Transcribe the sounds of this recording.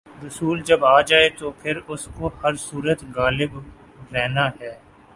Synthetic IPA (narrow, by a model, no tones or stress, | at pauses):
ɾʊsuːld͡ʒɐbaːd͡ʒaːet̪opʰɪɾʊskohɐɾsuːɾət̪ɣaːlɪb | ɾɛɦnaɦɛː